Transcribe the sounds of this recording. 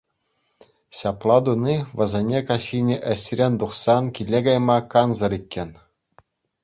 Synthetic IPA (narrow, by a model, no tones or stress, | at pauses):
ɕɑplˠɑd̪unʲiʋɤ̆zʲenʲekɑɕʲinʲeʔɘ̆ɕʲrʲenʲd̪uχsɑnkʲilʲːeɡɑjmɑkɑnzɤ̆ɾʲikʲːenʲ